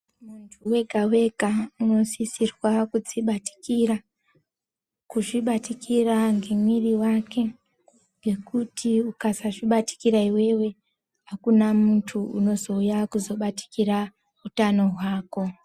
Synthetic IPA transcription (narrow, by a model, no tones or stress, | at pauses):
muntʰuwe̞ɡʱawe̞kauno̞zisirwakud͡ziɓati̥kira | kuʐiɓatikiraŋɡe̞mwiriwake̞ | ŋɡe̞kutʰiukasaʐiɓati̥kiɾaiwe̞we̞ | ɦakunamuntʰuuno̞zo̞ujakuzo̞ɓati̥kiɾa | utano̞ɦwaːko̞